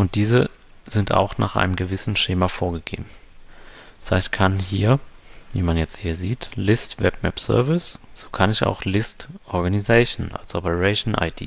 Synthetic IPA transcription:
ʔʊnt̚d̥iːzə | zɪnta̰ʊxna̰ːχʔa̰ɪnəmɡəvɪsn̩ʃeːmafoːɐɡəɡḛːbm̩ | z̥aɪtkʰanhiːɐvḭːmanjɛt͡sthiːɐziːtlɪstv̥ɛpmɛpz̥œ̰ɐvɪsz̥oːkʰanɪça̰ʊxlɪstʔɔɐɡanizɛɪʃnʔa̰lsʔɔpəʁɛɪʃnʔa̰ɪd̥ḭː

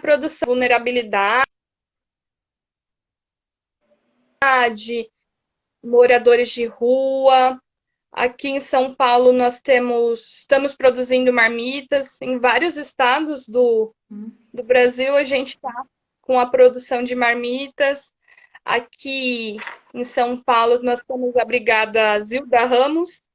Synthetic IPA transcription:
pɾod̪usɐ̃vulneɾabilid̪a | d͡ʒɪ | moɾad̪oɾɪzd͡ʒɪhuɐ | a̰kiẽsɐ̃w̃pawlʊnɔst̪ẽmʊsɪst̪ɐ̃mʊspɾod̪uzĩnd̪ʊmaɾmit̪ɐzẽvaɾjʊzɪst̪ad̪ʊzd̪ʊ | d̪ʊbɾaziwɐʒẽnt͡ʃɪ̥t̪a | kõɐpɾod̪usɐ̃w̃d͡ʒɪmaɾmit̪ɐs | a̰kʲʰi | ẽsɐ̃w̃pawlʊnɔst̪ẽmʊzɐbɾiɡad̪ɐziwd̪ɐɦɐ̃mʊs

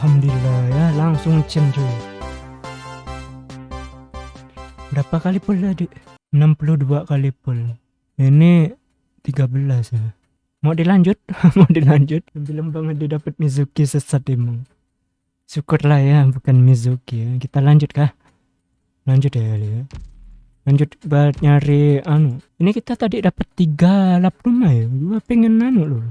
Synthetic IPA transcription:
hamdlahjalaŋsʊŋt͡ʃəmd͡ʒu | dapakalipʊlːadiʔ | ənampuluhduakalipʊl | ini | t̪iɡabəlasja | moʔdilaɲd͡ʒʊt̪̚moʔdilaɲd͡ʒʊt̪̚əmbiləmbaŋət̪̚didapət̪̚mizukisəsat̪imʊŋ | sukʊrlahjabukanmizukijakit̪alaɲd͡ʒʊt̪̚kah | laɲd͡ʒʊt̪̚jaalia | laɲd͡ʒʊt̪̚bat̪̚ɲaɾianʊʔinikit̪at̪adidapət̪ːiɡalaprumajad͡ʒuapɛŋənanʊʔlo

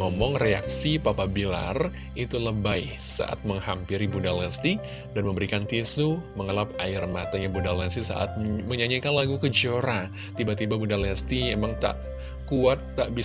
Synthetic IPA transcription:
ŋɔmɔŋrea̰ksipapabila̰r | it̪uləbaj | sa̰ʔa̰t̪̚məŋhampiɾibundalɛst̪i | danməmbəɾikant̪isuməŋəlapaɪrmat̪aɲabundalɛst̪isa̰ʔa̰t̪̚məɲaɲakanlaɡukəd͡ʒoɾa | t̪ibat̪ibabundalɛst̪iemaŋt̪a̰ʔ | kuat̪ːaʔbi

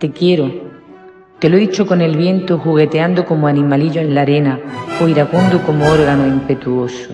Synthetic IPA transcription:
t̪e̞kje̞ɾo | t̪e̞loeðit͡ʃoko̞ne̞lβjẽ̞nt̪oxuɣ̞e̞t̪eand̪oko̞moanĩmaliʎoẽnlaɾe̞naoiɾakund̪oko̞mooɾɣanoimpe̞t̪uo̞so̥

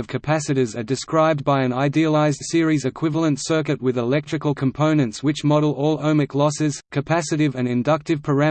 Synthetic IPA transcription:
ʌv̥kʰɨpʰæsɨɾizə˞dɨskɹaɪb̚baɪɨ̃naɪdiəlˠaɪzd̥sɪɹizɨkʰw̥ɪvl̩ˠə̃ntsɜ˞kɨt̚wɨðəlɛk̚tt͡ʃɹ̥ɨkəl̩ˠkʰɨ̃m̩pʰõʊ̃nɨ̃ntswɨt͡ʃmɑɾl̩ˠɔlˠõʊ̃mɨklɔsɪz̥kʰɨpʰæsɨɾɨvɨ̃nɨ̃ndʌk̚tɨv̥pʰə˞æ̃

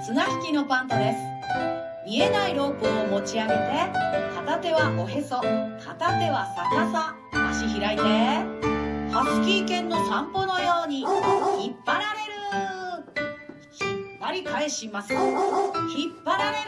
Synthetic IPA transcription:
t͡sɨnaçi̥kʲino̞pãnt̪od̪e̞sɨ̥ | mie̞naiɾo̞ːkɯomo̞t͡ɕiaɡe̞t̪e̞t̪at̪at̪e̞βaʔo̞ɦe̞so̞t̪ʰat̪at̪e̞βasakasaː | ɕiçiɾait̪e | hasɨ̥kʲiːkẽ̞nːo̞sãmpo̞no̞jo̞ːɲ̟içipːaɾaɾe̞ɾɯ̟ | çipːaɾʲikae̞ɕimasɨ | çipːaɾaɾe̞ɾ

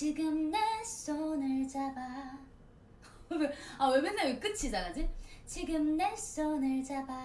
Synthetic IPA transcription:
t͡ɕiɡɯmnes͈onɯɭt͡ɕaba | weawemenːawek͈ɯt͡ɕʰisaɡad͡ʑit͡ɕiɡɯmnes͈onɯɭt͡ɕaba

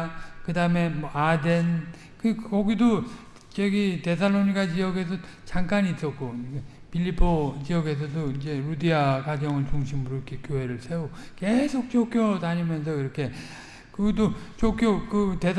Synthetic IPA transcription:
kɯdaɯme̞mʌade̞n | kɯkʌɡido | t͡ɕeɡite̞sʰaɭːoɲikʰad͡ʑijʌɡe̞s̬ʰʌt͡ɕaŋk͈aɲiːs͈ʌk̚k͈o | pʰiʎːipʰot͡ɕijʌɡe̞s̬ʰʌdoind͡ʑe̞ɾudiakwad͡ʑʌŋɯɭt͡ɕuŋɕʰimɯɾokʰekjoɦe̞ɾɯɭsʰe̞oke̞sʰok̚t͡ɕokjodaɲimjʌns̬ʰʌiɾʌkʰe̞ | kʌɡidot͡ɕok͈ʰjokɯte̞sʰ

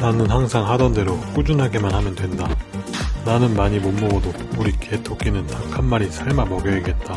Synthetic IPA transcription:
nanɯnhaŋsʰaŋɦadʌnde̞ɾok͈ud͡ʑunɦaɡe̞manhamjʌndwe̞nda | nanɯnmaɲimomːoɡʌdo | uɾikʰetʰok͈inɯntakʰamːaɾisʰaɭmamʌɡjʌeɡe̞t̚t͈a

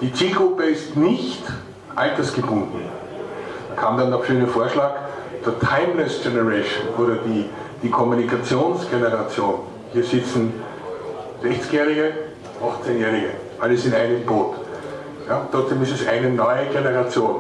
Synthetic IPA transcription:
d̥iːt͡siːlɡʁʊpəɪstnɪçt | ʔaltɐsɡ̥əbʊ̃ndn̩ | mankʰaːmd̥andafʃøːnəfoːɐʃlaːkt͡suɐtʰaɪmlɛsɡɛnəʁɛɪʃonʔoːɾɐdiː | d̥iːkʰɔmunikʰat͡sjoːnsɡ̥enəʁat͡sjoːn | hiːɐzɪt͡sn̩ | z̥ɛçt͡sɪ̥kjɛːʁɪɡə | faxt͡senjɛːʁɪɡə | ʔaləsɪntaɪnəmboːt | jaːʊnt̪ʁɔt͡sd̥eːmɪstɛsʔa̰ɪnənɔʏəɡenəʁat͡sjoːn

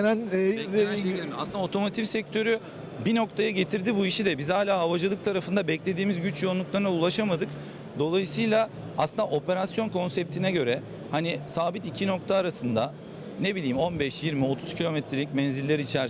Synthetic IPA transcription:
næn | ilʲimasɯnao̞t̪ʰo̞mo̞t̪ʰifsɛc̚t̪ʰø̞ɾy | bino̞kt̪ʰajaɟe̞t̪ʰiɾd̪ibuiʃid̪ɛbizhaːlʲaːɦavad͡ʒɯlˠɯk̚t̪ʰaɾafɯnd̪abɛclʲe̞d̪iːmizɟyt͡ʃjounˠuklˠaɾɯnaulˠaʃamad̪ɯk | d̪o̞lˠajɯsɯjlˠa | asɯnaʔo̞pʰe̞ɾasjo̞nkʰo̞nsɛp̚t̪ʰinɛɟø̞ɾɛ | hanisaːbit̪icʰino̞kt̪ʰaːɾasɯnd̪a | ne̞bilʲiːmo̞nbɛʃjiɾmio̞t̪ʰuzcʰilʲo̞mɛt̪ʰɾilʲicmɛnzilʲːeɾiit͡ʃʰæɾ

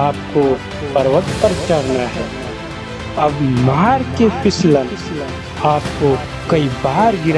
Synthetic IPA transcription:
aːp̚ko | pɐɾʋət̪pɐɾt͡ʃɐɽnaɦɛː | ɐbmaɦaːɾkepɪslən | aːpko | kɐibaːɾɡɪɾ

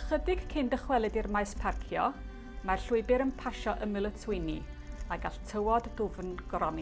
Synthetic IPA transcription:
χədɪɡ̥kʰɪndəχwɛlˠɨdirmajspʰarkʰjɔ | marɬʊɨbɪɾənpʰaʃɔʔəmɪlˠətʰwɪjni | aɡaɬtʰəwɔdːʊvnɡɾɔn

